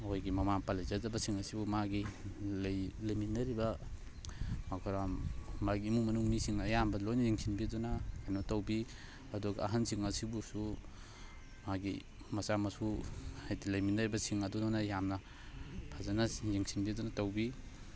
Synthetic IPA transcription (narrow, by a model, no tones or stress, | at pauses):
ojɡimɐmaŋpalajzazɐbɐsiŋɐsibumaɡilɐjlajminɐɾibɐ | makʰɔɾammaɡiːmuŋmɐnuŋnisiŋɐjambɐlojnɐziŋsinbiadɔnakajnɔtɐwbi | ɐdɔɡɐːɦansiŋɐsibusu | maɡḭ | mɐsamɐsuajtilɐjminɐɾibɐsiŋɐdudɔnajamnɐ | pʰazanɐziŋsinbidɔnɐtawbi